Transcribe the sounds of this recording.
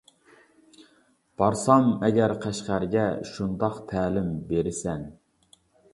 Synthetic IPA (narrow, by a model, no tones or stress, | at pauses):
b̥ɑɾsɑmɛɡʲæɾqʰæʃqæɾɡʲɛʃund̪ɑqt̪ʰæːlɪmbeɾɪsɛn